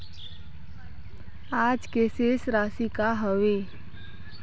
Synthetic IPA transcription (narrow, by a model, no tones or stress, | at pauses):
aːd͡ʒkeːsesɾaːsikaɦəʋe